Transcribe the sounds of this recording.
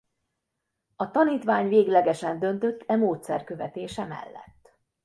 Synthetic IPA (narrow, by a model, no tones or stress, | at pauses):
ɒt̪ɒniːt̪ʋaːɲveːɡlɛɡɛʃɛnd̪ø̞nt̪ø̞t̪ːɛmoːt̪sɛ̰rkø̞vɛt̪eːʃɛmɛ̰lːɛ̰t̪ː